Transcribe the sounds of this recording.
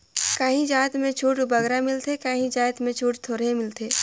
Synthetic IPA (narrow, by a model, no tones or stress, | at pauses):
kaːɦĩd͡ʒaːt̪mẽt͡ʃʰuːʈbəɡɾamɪlt̪ekaːɦĩd͡ʒaːt̪mẽt͡ʃʰuːʈt̪ʰoːɾemɪlt̪ʰeː